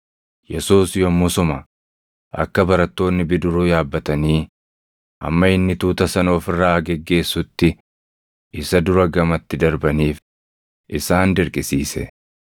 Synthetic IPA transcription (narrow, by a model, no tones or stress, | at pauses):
jɛsuːsjɔmːʊsʊmɐ | ʔɐ̰kːɐbɐɾɐt̪ːo̞ːnːɪbɪd̪ʊɾuːjaːbːɐt̪ɐniː | ʔɐ̰mːɐɪnːɪt̪uːt̪ɐsɐno̞ːfɪrːaːɡɛɡːe̞ːsːʊt̪ːɪ | ʔɪsɐd̪ʊɾɐɡɐmɐt̪ːɪd̪ɐɾbɐniːf | ʔɪsaːnd̪ɪɾkʼɪsiːsɛ̰